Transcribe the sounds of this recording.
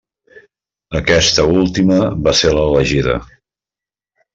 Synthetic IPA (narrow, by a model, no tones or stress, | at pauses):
əkɛst̪əulˠt̪iməβaselələʒiðə̰